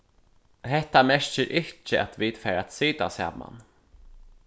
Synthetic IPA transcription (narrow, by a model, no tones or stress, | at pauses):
hɛht̪amɛʃt͡ʃɪɾʔɪt͡ʃəʔat̪viːt̪fɛːɾat̪siːt̪a̰sa̰ːma̰n